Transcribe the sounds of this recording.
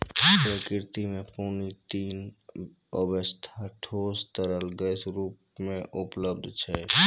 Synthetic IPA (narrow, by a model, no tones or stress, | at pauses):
pɾəkɪɾt̪imẽpoːnit̪iːn | əbəst̪ʰaʈʰoːst̪əɾəlɡəsɾuːp | mẽʔʊpləbd̪ʱt͡ʃʰɛ